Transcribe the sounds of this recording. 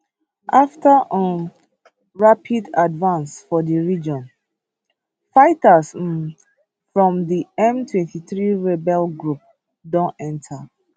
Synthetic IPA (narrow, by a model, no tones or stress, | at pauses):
ʔaftʰaʔə̃ | ɹapʰidadvãnsfɔdəɹid͡ʒɔ̃n | faɪtas̩ | fɹɔ̃mdiɛ̃mtʰwɛ̃ntiθɹiɹɛbɛlɡɹup̚ | dɔ̃nɛ̃ntʰa